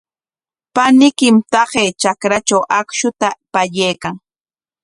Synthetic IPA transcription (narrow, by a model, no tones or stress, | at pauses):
panɪkɪmt̪ɑɢeːt͡ʃakɾat͡ʃawʔakʃʊt̪apaʎejkaŋ